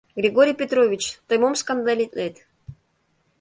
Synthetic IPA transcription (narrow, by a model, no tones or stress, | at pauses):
ɡɾʲeɡoɾʲijpʲet̪ɾovʲit͡ɕt̪ojmomskand̪alʲit̪let̪